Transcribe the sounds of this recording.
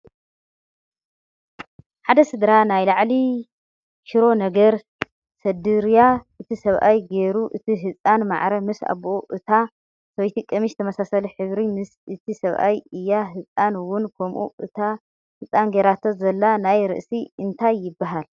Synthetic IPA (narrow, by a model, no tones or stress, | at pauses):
ħad̪ɐsɨd̪ɾanajlaʕli | ʃiɾo̞nɐɡɐɾ | sɐd̪ɨɾjaʔɨt̪ʰisɐβʔa̰jɡe̞ɾuʔɨt̪ʰiɦɨt͡sʼanma̰ʕɾɐmɨsa̰βʔoʔɨt̪ʰa | sojt̪ʰikʼːɐmiʃt̪ʰɐmɐsasɐliħɨβɾimɨsɨt̪ʰisɐβʔa̰jɨjːaɦɨt͡sʼanwʊnkʰomʔṵɨt̪ʰa | hɨt͡sʼanɡeɾat̪ʰozɐlːanajɾɨ̰ʔsiɨnt̪ʰajːɪbːaɦal